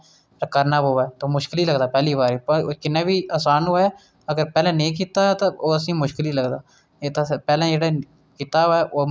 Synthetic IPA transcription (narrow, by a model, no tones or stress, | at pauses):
ɾkəɾnaːboːʋɛːt̪oːmʊʃkɪliːləɡd̪aːpɛːliːbaːɾiːpəkɪnːaːbiːaːsaːnoːɛː | əɡəɾpɛːlɛ̃ːnẽːk̬iːt̪aːt̪aːoːəsĩːmʊʃkɪliːləɡd̪aː | et̪ːpɛːlɛ̃ːd͡ʒeːɽaː | kiːt̪aːoːɛːʔoː